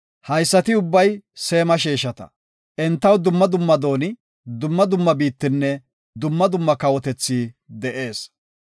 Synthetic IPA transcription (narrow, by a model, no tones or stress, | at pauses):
hɐjsːɐt̪ɪʊbːɐjse̞ːmɐʃiːʃɐt̪ɐ̥̰ | ʔɛnt̪ːɐwd̪ʊmːɐd̪ʊmːɐd̪o̞ːnɪ | d̪ʊmːɐd̪ʊmːɐbiːt̪ːɪnːɛ | d̪ʊmːɐd̪ʊmːɐkɐwɔt̪ɛt͡sːiː | d̪ɛʔe̞ːs